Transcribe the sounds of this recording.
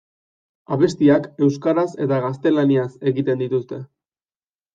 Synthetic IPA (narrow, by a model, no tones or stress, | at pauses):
aβe̞st̪iake̞wskaɾase̞t̪aɣast̪e̞laniase̞ɣit̪e̞nd̪it̪ust̪e̞